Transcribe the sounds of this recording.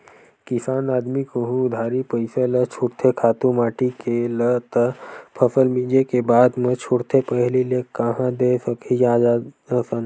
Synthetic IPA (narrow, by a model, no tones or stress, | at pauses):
kɪsaːnaːd̪mikəɦũd̪ʱaːɾipəɪselət͡ʃʰuɾt̪ʰekʰaːt̪ũmaːʈikelət̪əpʰəsəlmĩd͡ʒekebaːd̪mə̃t͡ʃʰuɽt̪ʰepəɦlilekəɦãd̪esəkid͡ʒaːd͡ʒaəsən